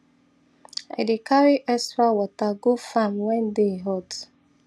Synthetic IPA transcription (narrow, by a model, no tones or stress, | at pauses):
a̰ɪdekaɾiʔɛsɾawɔtaɡofamwɛ̃ndeɦɔt